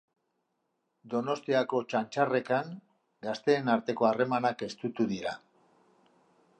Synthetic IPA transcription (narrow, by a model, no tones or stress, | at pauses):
d̪o̞no̞st̪iako̞t͡ʃant͡ʃare̞kaŋ | ɡast̪e̞ːnaɾt̪e̞ko̞are̞manake̞st̪ut̪uðiɾa